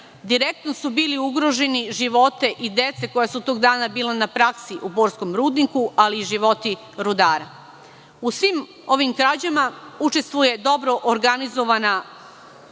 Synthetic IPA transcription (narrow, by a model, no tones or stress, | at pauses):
d̪iɾe̞k̚t̪no̞subiːliuɡɾo̞ʒe̞niʒiʋo̞t̪e̞ʔid̪e̞t̪se̞ko̞jasut̪o̞ːɡd̪aːnabiːlˠanapɾaksiʔubo̞ːɾsko̞mɾuːd̪nikualiːʒiʋo̞t̪i | ɾud̪aːɾa | usʋiːm | o̞ʋimkɾad͡ʑamaut͡ʃe̞st̪ʋuje̞d̪o̞bɾo̞ʔoɾɡanizo̞ʋana